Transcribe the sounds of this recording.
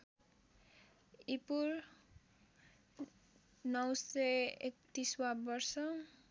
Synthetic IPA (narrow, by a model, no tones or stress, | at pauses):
ipuɾ | nʌwseek̚t̪iswabʌrsʌ